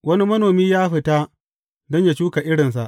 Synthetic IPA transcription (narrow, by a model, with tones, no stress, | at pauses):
wɐ˦ni˦mɐ˦noː˨miː˦jaː˦ɸɪ˦ta˦ | dɔ˦ɲja˦t͡ʃuː˦ka˨ʔɪ˦ɽɪ˨ns̬a̰˨ʔ